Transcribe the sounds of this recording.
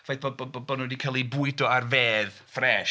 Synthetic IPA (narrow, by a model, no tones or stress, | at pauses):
v̥ejθb̥ɔbɔbɔbɔnudikʰalˠibuɨdɔarveːðfrɛːʃ